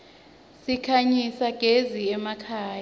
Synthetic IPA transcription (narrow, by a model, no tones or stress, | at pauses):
sikʰaɲisaɡ̥ʱeziɛmakʰaːja